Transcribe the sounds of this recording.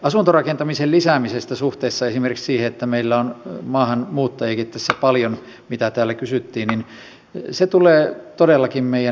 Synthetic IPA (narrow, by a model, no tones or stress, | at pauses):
ɑsunt̪orɑkent̪ɑmisellisæˑmisest̪æsuht̪eːsːɑesimerkiksiːheet̪ːæmeilːæonmɑːhɑnmuːt̪ːɑjeikit̪ːæsːæpɑljon | mit̪æt̪æːlːækysyt̪ːiːnnin | set̪uleːt̪odelːɑkimmeijæ